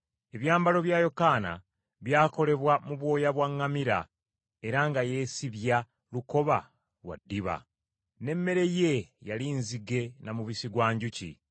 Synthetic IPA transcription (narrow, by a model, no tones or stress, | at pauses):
e̞βjaːmbalo̞βjaːjo̞kaːna̰ | βjaːko̞le̞βwamuβwo̞ːjaβwaŋːamiɾa | e̞ɾaŋɡaje̞ːsiβja | luko̞βa | wa̰dːiβa̰ | ne̞mːe̞ɾe̞je̞jalinziɡe̞namuβisiɡwaːɲɟucḭ